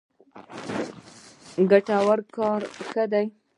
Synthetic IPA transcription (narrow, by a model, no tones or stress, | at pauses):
ɡaʈawaɾkɑɾxəd̪aj